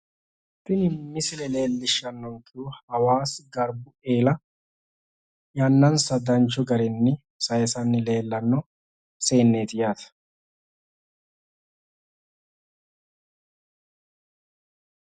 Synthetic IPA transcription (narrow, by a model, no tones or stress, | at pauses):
t̪ːɪnɪmːɪsɪlɛle̞ːlːɪʃːɐnːɔŋkːɪuhɐwaːsɪɡɐɾbʊe̞ːlɐ | jɐnːɐnsɐd̪ɐnt͡ʃːɔɡɐɾɪnːɪ | sɐjɛsɐnːɪle̞ːlːɐnːɔ | se̞ːnːeːt̪ɪjaːt̪ɐ̥